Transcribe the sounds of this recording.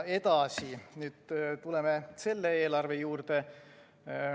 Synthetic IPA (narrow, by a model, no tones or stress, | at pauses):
e̞t̪ɑsinyːd̪̥̚t̪ule̞mese̞lːeeːlɑrve̞juːrt̪e